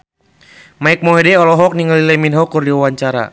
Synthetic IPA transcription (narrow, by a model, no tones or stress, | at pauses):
maik̚mɔɦɛdɛɔlɔɦɔk̚niŋalilɛminɦɔkurdiwawaɲt͡ʃaɾa̰